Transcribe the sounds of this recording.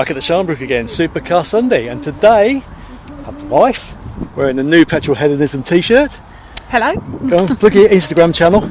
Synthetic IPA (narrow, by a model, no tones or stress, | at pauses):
bakəʔðəʃɑ̃ːmbɹʉˑkəɡɛ̃nsʉˑpəkʰɑsʌ̃ndeɪə̰̃ntʰədeɪ | həvwaɪfwəɹɪ̃nənjʉːpʰɛt͡ʃɹ̥əlˠɦɛðənɪzə̃mtʰiːʃɜˑt | hɛləʊ̥õnpʰlʊɡɪəɪ̃nstəɡɹãmt͡ʃʰanəlˠ